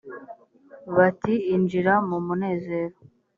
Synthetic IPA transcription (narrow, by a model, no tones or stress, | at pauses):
βatiːnd͡ʒiɾamumune̞ːze̞ːɾo